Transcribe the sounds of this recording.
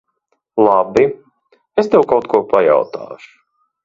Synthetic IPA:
lˠabi | est̪ɛwkawt̪̚kuɔpaja̰wt̪a̰ːʃu̥

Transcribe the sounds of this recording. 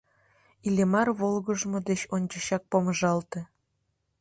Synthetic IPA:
ilʲemɑrβolɣəʒmod̪et͡ɕonʲt͡ɕəɕɑk̚poməʒɑlt̪ĕ

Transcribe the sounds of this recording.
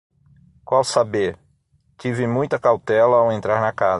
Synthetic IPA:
kwawsabeɾ | t͡ʃ̪ivɪmũj̃t̪ɐkawt̪ɛlɐawẽnt̪ɾaɾnɐkaz

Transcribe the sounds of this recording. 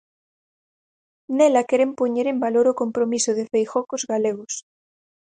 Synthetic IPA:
nelakeɾempoɲeɾembaloɾokompɾomisoð̞efejxokozɣaleɣ̞os

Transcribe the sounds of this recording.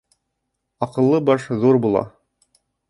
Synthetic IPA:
ɑqɤ̆lˠːɤbɑʃðuɾbulˠɑ̰

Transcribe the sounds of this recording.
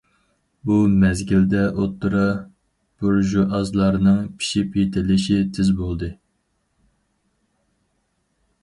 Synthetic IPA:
bumɛzɡʲild̪ɛʔot̪ʰːuɾɑ | b̥uɾʒuʔɑzlˠɑɾnɨŋpʰi̥ʃipjet̪ʰɪlɪʃit̪ʰɪzbolˠd̪ɨ

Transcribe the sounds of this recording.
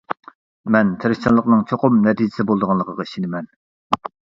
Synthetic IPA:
mɛnt̪ʰeɾɪkt͡ʃʰɑlˠəqnɨŋt͡ʃʰoqʊmnɛt̪ʰid͡ʒɪ̥sɪbolˠd̪əʁɑnlˠəqʰəʁɑi̥ʃinɪmɛn

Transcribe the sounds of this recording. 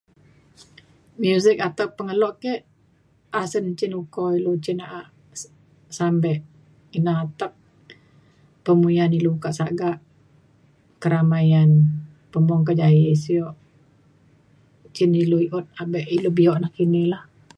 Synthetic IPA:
mjusɪk̚at̪əpːəŋəlɔʔkɛʔ | asənt͡ʃinukɔilot͡ʃinaʔaʔ | sambɛʔ | inaɦat̪əp̚ | pəmujanilukaʔsaɡaʔ | kəɾamajan | pəmɔŋkad͡ʒajesiɔʔ | t͡ʃɪniluiʔɔt̪̚abɛʔilobiɔʔnahkinelah

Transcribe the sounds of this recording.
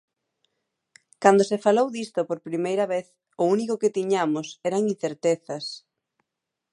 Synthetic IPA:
kand̪osefalowðist̪ʊpoɾpɾimejɾɐβeθ | ʊunikoket̪iɲamʊsɛɾɐŋin̟θeɾt̪eθɐs

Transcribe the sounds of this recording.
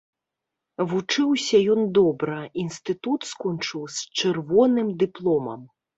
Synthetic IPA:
vut͡ʂɨwsʲɐjɔnd̪ɔbɾɐinst̪ɨt̪ut̪skɔnt͡ʂɨwsʲt͡ʂɨrvɔnɨmd̪ɨplˠɔmɐ̰m

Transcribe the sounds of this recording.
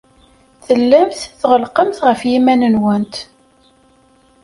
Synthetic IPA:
θəlːæmθθʁəlqəmθʁəfjimænənwənt̪

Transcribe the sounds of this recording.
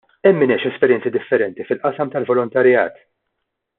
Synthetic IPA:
ɛmːɪnɛʃɛspɛɾjɛnt͡sid̪ɪfːɛɾɛnt̪ifɪlʔɐsɐmt̪ɐlvɔlɔnt̪ɐɾjɐ̰ːt̪

